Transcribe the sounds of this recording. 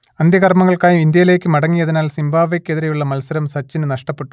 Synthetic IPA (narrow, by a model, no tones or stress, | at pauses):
ɐnd̪ʱjɐɣɐrmɐŋːɐɭkaːjumind̪jɐjleːkʲːɨmɐɽɐŋːijɐðinaːlsimbʱaːʋekːe̞ðiɾɐjuɭːɐmɐlsɐɾɐmsɐt͡ɕːinɨnɐʂʈɐpːe̞ʈːu̥